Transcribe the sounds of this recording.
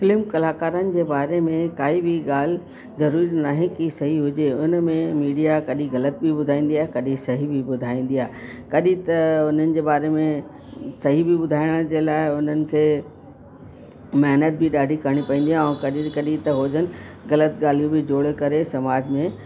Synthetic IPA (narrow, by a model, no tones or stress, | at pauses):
fɪlɪmkɐlaːkaːɾənɪ̆d͡ʑeːbaːɾemẽkaːibɪɡaːl̤ | zɐɾuːɾinaːɦekisɐɦiɦʊd͡ʑeʊnmẽmiːɖijakɐɗĩɣɐlət̪̚bʱibʊd̪ʱaːĩːnd̪iaːɦekɐɗĩsɐɦibʱɪbʊd̪ʱaːĩːn̆d̪ijaːɦekɐɗĩt̪ɐʊn̤ənɪ̆d͡ʑeːbaːɾemẽ | sɐɦibʱɪbʊd̪ʱaːɪɽ̃ə̃d͡ʑeːlaːɪʊn̤ənɪ̆ke | mɛɦnət̪̚bʱɪɗaːɖʱikʰəɽ̃ipɐ̃ĩːnd̪ijaɦɛ̃kɐɗikɐɗĩt̪ɐɦoːd͡ʑənɪ̆ɣɐlət̪̚ɡaːl̤ijũbɪd͡ʑoːɽkɐɾesɐmaːd͡ʑmẽ